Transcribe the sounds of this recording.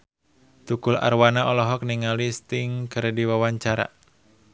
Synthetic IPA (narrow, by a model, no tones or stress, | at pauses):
t̪ukʊla̰rwanaʔɔlɔɦɔk̚niŋalist̪ɪŋkəɾdiwawaɲt͡ʃaɾa̰